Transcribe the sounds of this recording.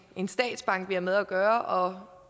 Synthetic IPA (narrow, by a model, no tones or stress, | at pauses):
e̝nsd̥ɛ̰ːd̥sb̥ɑ̈ŋ̰ɡ̥ʋiæmeðˠæɡ̥ɶːɐʔɒ̽